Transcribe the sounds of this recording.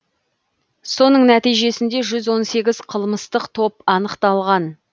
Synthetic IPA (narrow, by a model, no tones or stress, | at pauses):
so̞nəɴnæt̪ijʒe̞sɪnd̪e̞ʒʏzwo̞nse̞ɡʲɪz̥qʰəlˠməst̪əqt̪ʰo̞pɑnəqt̪ɑlˠʁɑn